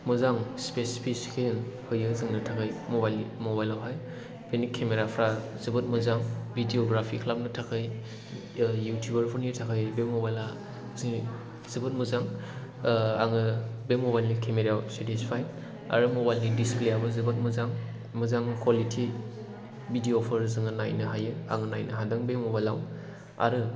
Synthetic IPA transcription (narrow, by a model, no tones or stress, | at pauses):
mɯzaŋspesi̥pʰiskʰenhɯjɯzɯŋnɯtʰakʰɯjmobajlnimobajlawpʰaj | penikʰːemeɾapʰɾa | zɯbɯt̚mɯzaŋbʱidioɡɾapʰikʰlap̚nɯtʰakʰɯj | jutʰjubɐɾpʰɔnitʰakʰɯjbemːobajla | si | z̥ɯbɯt̚mɯzaŋ | aŋɯbemobajlnikʰemeɾawsetispʰaj | a̰ɾɯmɔbajlnidispleabɯzɯbɐt̚mɯzaŋ | mɯzaŋkʰwalitʰi | bʱidioɔpʰɐɾzɯŋɯnajnɯɦajɯa̰ŋɯnajnɯɦadɯŋbemɔbajlaw | a̰ɾɯ